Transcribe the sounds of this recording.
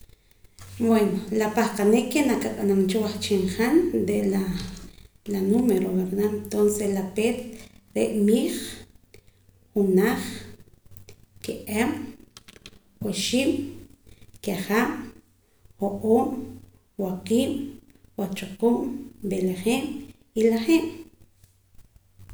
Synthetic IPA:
bwenolapaχqaneʔkʰːenakaɓʼanant͡ʃowaχt͡ʃiɴχanɾeʔla | lanumeɾoβeɾnamt̪onseslapeːt̪ | ɾeʔmiːχ | χunaχ | keʔem | woʃiːɓ | kaχaːɓ | xoʔoːm | waqiːɓ | wat͡ʃoqumbeleχeːm | ilaχeːm

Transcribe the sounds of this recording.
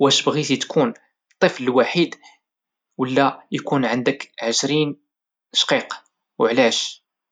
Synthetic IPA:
wæʃbɣit̪it̪kʰun | t̪ˤːəfləlwaħid̪ | wəlːæjkunʕənd̪əkʕəʃɾin | ʃqiq | wʕlæʃ

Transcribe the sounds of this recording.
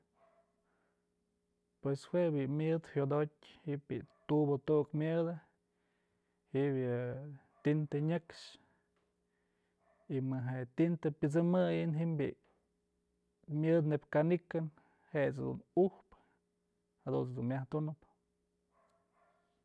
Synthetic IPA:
pweshwebimʲjɨd̪hjod̪ot̚ʲhiʔbḭt̪ubot̪uʔkmʲɨd̪ɨ | hiʔbjɨ | t̪int̪eɲɨkʂ | imɨɦet̪int̪ɨpʲɨt͡sɨmɨjɨnɦimbḭʔ | mʲɨd̪nebkanikɨn | heʔt͡sd̪ṵnuhp | had̪ṵnt͡sd̪unmʲaht̪unɨp

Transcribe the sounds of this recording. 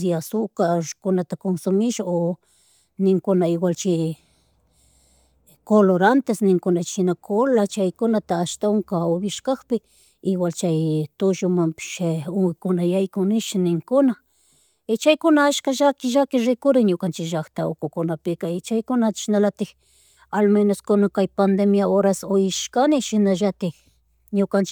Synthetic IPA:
siasukaʐkunat̪akonsumiʃao | niŋkunaiwʷalt͡ʃi | koloɾant̪esniŋkunat͡ʃinakʰolat͡ʃajkonat̪aʃt̪auŋkaoβiʃkaxpeː | wʷalt͡ʃajt̪ʊʒʊmampɪ̥ʃʊŋɪkʊnajajkʊnɪʃɪnɪŋkʊna | ɪt͡ʃajkʊnaaʃkaʒakɪʒakɪɾɪkʊɾɪɲʊkant͡ʃɪkʒakt̪ao̰kʊkʊnapɪkaɪt͡ʃajkʊnḁʃɪnalat̪ɪk | almenaskʊnakajpand̪emjaoɾasojɪʃkanɪʃɪnaʒat̪ɪ | ɲʊkant͡ʃ

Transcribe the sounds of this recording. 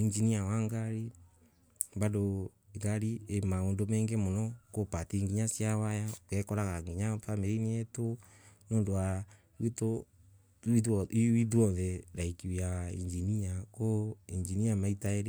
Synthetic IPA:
iɲd͡ʒiniawaŋɡaɾi | βadoiɡaɾiemaondomɛːŋɡɛmɔnɔkopatiŋɡiɲasjawajaɔkɛkɔɾaɣaŋɡiɲafameɾiniɛto | noːndowa | wito | iwiðwɔðɛɾaikiwaiɲd͡ʒiniakoiɲd͡ʒiniamaitaeɾe

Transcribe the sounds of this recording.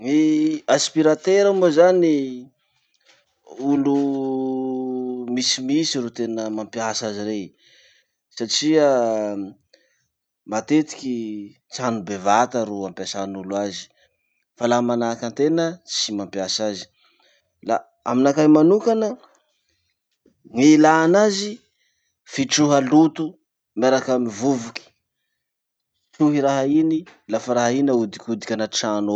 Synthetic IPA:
iaspiɾat̪eɾamozani | ulu | misimisiɾot̪enəmampiasaziɾej | saʈ͡ʂia | mat̪et̪i̥kʲi | t͡sanubevat̪aɾoampjasanulazi̥ | falamanakant̪enət͡simampjasazi̥ | la̰ | aminakajmanukanə | ŋilaːnazi | fiʈ͡ʂuɦalut̪u | maɾakamivuvuki̥ | t͡ʃuɦiɾaɦainilafaɾaɦainaud̪ikʲud̪i̥kʲanaʈ͡ʂano

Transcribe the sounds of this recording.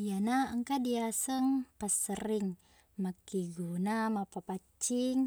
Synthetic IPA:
ianaəŋkadiasəŋpasəɾiŋ | makiɡunamapapat͡ʃiŋ

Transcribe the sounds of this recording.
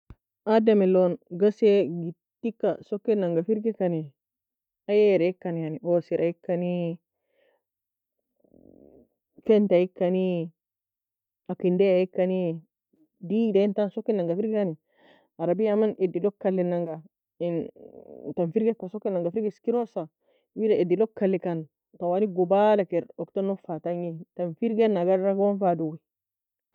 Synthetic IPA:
adamilonɡaseɡi | tːikːasokːinːaŋɡafiɾɡekani | ajeɾeikːanianiʔosiɾʔajikːani | fentajikːani | akindeajikːani | didaintansokːinːaŋɡafiɾɡkani | aɾabijamanʔedilokːalːinaŋɡa | in | tanfiɾɡekasokːinːaŋɡafiɾɡiskiɾosa | widaedilokːalːikan | tawaniɡobalakeɾoktonofataŋitanfiɾɡenːaɡaɾɾaɡonfaduwi

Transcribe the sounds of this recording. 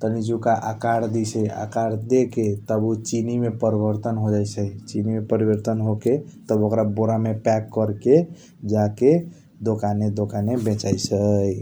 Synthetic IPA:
t̪ənid͡ʒukaʔakaɽd̪isəja̰kaɽd̪eket̪əbut͡ʃinimepəɾibəɾt̪ənɦod͡ʒajsəjt͡ʃinimepəɾibəɾt̪ənɦoket̪əbokɾaboɾamepɛkːəɾke | d͡ʒake | d̪okaned̪okanebẽt͡ʃajsəj

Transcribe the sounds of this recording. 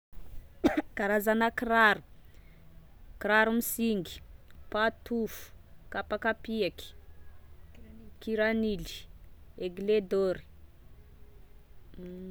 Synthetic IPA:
kaɾazanakiraɾu̥ | kiɾaɾumisiŋɡi̥pat̪ufu̥kapakapiaki̥ | kiɾanili̥eɡled̪oɾi̥

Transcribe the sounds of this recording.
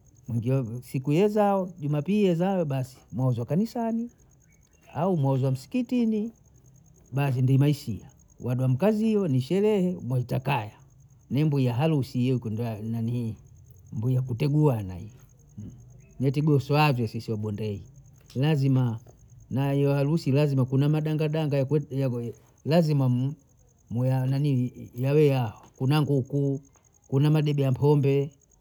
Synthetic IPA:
mwɛŋɡiasikujɛzaɔʄumapijɛzajɔɓasi̥mwauzwakanisani | aumwauzɔwam̩si̥kitini | ɓas̬indimaisḭa | wʔaɗuam̩kaziɔniʃɛlɛhɛmwɛitakaja | nɛmbuijaɦalusikɔndnani | mbuijakutɛɡuana̰i | nɛtɛɡuɔsɔazwɛsisiwaɓɔndɛi | lazima | najɔhalusilazimakunamaɗaŋɡaɗaŋɡaja | lazimam | mujananijawɛjaɔkunaŋɡuku | kunamaɗɛbɛjam̩pʰɔmbɛ

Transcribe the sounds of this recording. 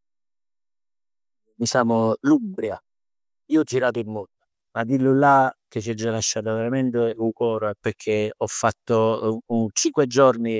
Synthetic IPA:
misaːmʊlumbɾja | iːoɔd͡ʒːiɾaːt̪ʊilmɔd̪ːa | mad̪ilːulːak̟et͡ʃːiɛd͡ʒːalaʃːaːt̪aveɾamɛnt̪eukɔːɾopekʰeɔfːat̪ːont͡ʃiŋkwed͡ʒɔrni

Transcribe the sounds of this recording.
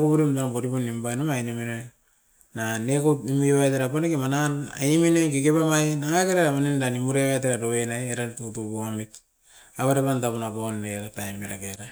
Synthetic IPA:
kobuɾimtanakoɾiponimbanomajnemino | nanekotnimujβajteɾapanekemanana̰jiminokekepamajnaŋakeɾaɾamanindanimuɾeβajt̬eɾaɾoenajeɾatutubuamit | aβaɾepantapunapanːeɾatajmeɾakeɾa

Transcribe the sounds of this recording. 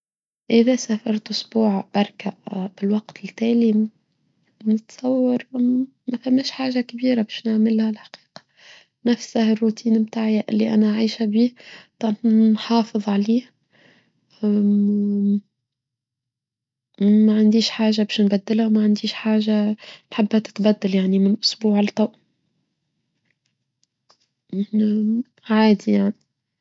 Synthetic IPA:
ʔɪðæsæfɑɾˤt̪ʔʊsbuːʕbɑɾˤkabɪlwɑqt̪ɪlt̪æːli | nɪt̪sˤɑwːɑɾˤ | mæfæmːæːʃħaːʒakbiːɾabɛːʃnaʕmɪlhælħḁqiːqɑ̥ | næfsahɪrːut̪ʰiːnmt̪aːʕjaʔɪ̰lːiʔæ̰næʔʕiːʃæbiːt̪ˤɑnnħɑːfɨðˤʕaliːh | aʕand̪iːʃħaːʒabæːʃnbæd̪ːɪlhawmaʕand̪iːʃħaːʒanħabːhæt̪ɪ̥t̪bæd̪ːaljaʕnimɪnʔʊsbuːʕɪlt̪ˤɑʔ | ʕaːd̪ijaʕni

